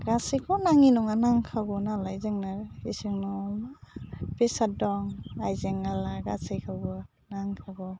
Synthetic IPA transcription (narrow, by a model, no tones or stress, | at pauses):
ɡasejkʰɔnaŋinɔŋanaŋkʰaɡɔnalajzɯŋnaisɯŋnɔ | pesat̚dɔŋajzeŋalaɡasajkʰawɡɔ | naŋkʰaɡɔ